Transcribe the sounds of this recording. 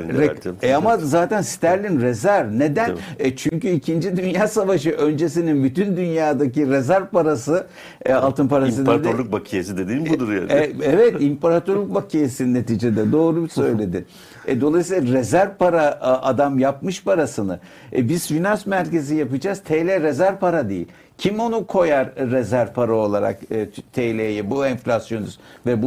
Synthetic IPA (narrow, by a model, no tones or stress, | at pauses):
ɾɛɛamazaːt̪ænsi̥t̪ʰæɾlʲinɾezæɾne̞d̪ænɛt͡ʃʰyɲcyicʰind͡ʒid̪ynjaːsavaʃɯʔø̞nd͡ʒe̞sininbyt̪ynd̪ynjaːd̪aciɾezæɾvpaɾasɯ | alˠt̪ɯnpʰaɾasɯd̪d̪ɾlˠuk̚bakʰijesid̪ed̪iːmbud̪uɾja̰ɛɛvɛt̪impaɾat̪ʰoɾlʲuk̚bakʰijesine̞t̪iːd͡ʒed̪ɛd̪o̞ːɾubsø̞jlʲe̞d̪ɪ | ɛd̪olˠajsilˠaɾezæɾvpaɾaad̪amjap̚mɯʃpʰaɾasɯnɯ̰ | biz̥vinasmæɾce̞zijapɯd͡ʒaːz̥t̪ʰelʲɛɾezæɾvpaɾad̪ejḭ | cʰimo̞nukʰo̞jaɾːezæɾpʰaɾao̞lˠaɾa̰kɯt̪ʰelʲejɛbuɛnflʲasjo̞nyzvɛbu